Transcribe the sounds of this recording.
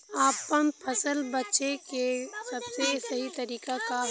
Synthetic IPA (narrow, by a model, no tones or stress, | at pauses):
aːpːənpʰəsəlbətːʃekesəbsesəɦit̪əɾiːkaka